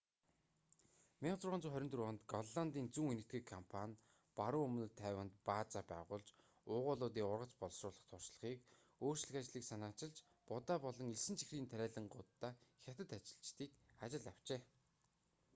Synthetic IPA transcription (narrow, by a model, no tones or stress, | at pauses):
mʲiɴt͡sʊrʁaːnt͡suːχœɾʲɪ̆nt̪rɔnt̪ɡɔɮːant̪iːnt͡suŋenɘ̆t̪ɡŭkʰampʰanʲ | paɾʊːɵmn̆t̪ʰːæːwə̆nt̪̚paːt͡sapæ̰ːʁʊːɮt͡ɕ | ʊːʁʊːɮʊːt̪̬iːŋʊrʁə̆t͡ɕpɔɮsrʊːɮə̆χt̪ʰʊr̥ʃɮə̆χiːk | oːr̥t͡ɕɮɘ̆xat͡ɕɮiːksanaːt͡ɕɪ̆ɮt͡ɕ | pʊt̪aːpɔɮɞ̆ŋeɮsɘ̆nt͡ɕʰi̥xriːnt̪ʰæɾʲæːɮə̆ɴɢʊt̪ːaːxʲat̪ə̆t̪at͡ɕɪ̆ɮt͡ɕt̪iːkat͡ɕɪ̆ɮaw̥t͡ɕeː